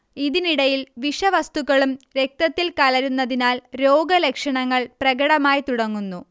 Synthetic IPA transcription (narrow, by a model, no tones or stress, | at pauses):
iðiniɽɐjilʋiʂɐʋɐst̪uɣɐɭumɾe̞k̚t̪ɐt̪ːilkɐlɐɾunːɐðinaːlɾo̞ːɡɐle̞kʂɐɳɐŋːɐɭprɐɡɐɽɐmaːjit̪uɽɐŋːunːu